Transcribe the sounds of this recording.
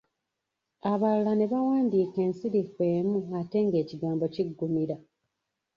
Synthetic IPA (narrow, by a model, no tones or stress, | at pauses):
aβalulane̞βawaːndiːke̞ːnsiɾikwe̞ːmuate̞ŋɡe̞ːciɡaːmbo̞ciɡːumiɾa